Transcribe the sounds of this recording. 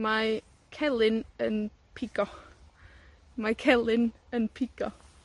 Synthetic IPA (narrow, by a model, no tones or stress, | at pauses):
ma | kʰɛlˠɪnən | pʰɪɡ̥ɔ | makʰɛlˠɪnənpʰɪɡ̥ɔ